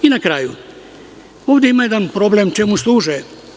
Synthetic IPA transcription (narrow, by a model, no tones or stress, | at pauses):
inakɾaːju | o̞ːʋd̪eimaje̞d̪anpɾo̞blemt͡ʃe̞muslˠuːʒe